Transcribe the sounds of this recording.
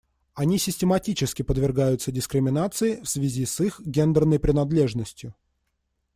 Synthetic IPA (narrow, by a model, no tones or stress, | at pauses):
ɐnʲisʲɪsʲtʲɪmɐtʲit͡ɕɪskʲɪpəd̪vʲɪrɡajʊt̪sədʲɪskɾʲɪmʲɪnat̪sɨɪfsvʲɪzʲisixɡʲe̞nd̪ərnəjpɾʲɪnɐd̪lʲe̞ʐnəsʲtʲjʊ